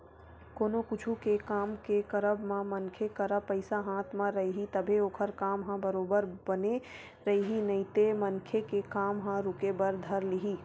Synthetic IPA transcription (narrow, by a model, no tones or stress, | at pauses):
koːnokʊt͡ʃʰukekaːmkekəɾəbmãmənkʰekəɾəpəɪsaɦãːt̪ʰmãɾɐɦiɦit̪əbʱeoːkʰəɾkaːmɦãbəɾoːbəɾbəne | ɾɐɦiɦinɐit̪emənkʰekekaːmɦãɾʊkebəɾd̪ʱəɾlɪɦiː